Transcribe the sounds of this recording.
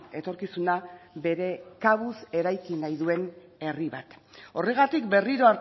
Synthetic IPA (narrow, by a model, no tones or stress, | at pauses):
e̞t̪o̞ɾkisunabe̞ɾe̞kaβ̞use̞ɾajkinajðue̞ne̞riβat̪o̞re̞ɣ̞at̪ikbe̞riɾo̞aɾ